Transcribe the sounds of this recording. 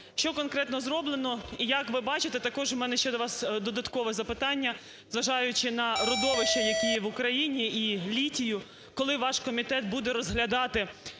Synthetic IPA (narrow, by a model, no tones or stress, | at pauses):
ʃt͡ʃɔkɔnkɾɛt̪nɔzɾɔblˠenɔijɐkʋɪbɑt͡ʃɪt̪ɛt̪ɐkɔʒmɛnɛʃt͡ʃɛd̪ɔʋɑsd̪ɔd̪ɐt̪kɔʋɛzɐpɪt̪ɑnʲːɐ | zʋɐʒɑjʊt͡ʃɪnɐɾɔd̪ɔʋɪʃt͡ʃɐjɐkʲijɛʋʊkɾɐjinʲiilʲitʲijʊ | kɔlˠɪʋɑʃkɔmʲit̪ɛt̪̚bud̪ɛɾɔzɦlʲɐd̪ɑt̪ɪ